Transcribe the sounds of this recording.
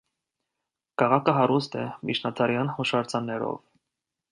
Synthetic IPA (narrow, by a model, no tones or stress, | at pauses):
kʰɑʁɑkʰəɦɑɾust̪ɛmit͡ʃʰnɑt̪ʰɑɾjɑnhuʃɑɾt͡sʰɑnːɛɾɔ̰v